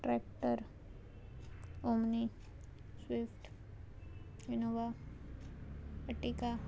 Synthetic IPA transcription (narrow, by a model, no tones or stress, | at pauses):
ʈɾɛkʈəɾ | omni | swɪfʈ | junoʋa | əʈika